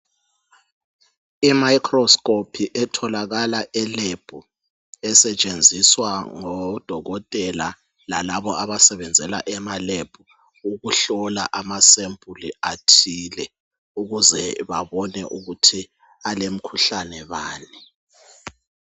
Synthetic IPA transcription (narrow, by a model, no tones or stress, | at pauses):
imaikʰrɔskʼɔpʰiʔɛtʰɔlaɣalaʔɛleb̥ʱu | ɛsɛt͡ʃʼend͡zʱiswaŋɔd̥ʱɔɣɔtʼɛla̰ | lalaβɔʔaβasɛβɛnd͡zʱɛla̰ʔɛmaleb̥ʱu | uɣuɬɔlaʔamasembʱʼuliatʰiːlɛ | uɣuzɛβaβɔnɛʔuɣutʰi | alem̩kʰuɬanɛβaːni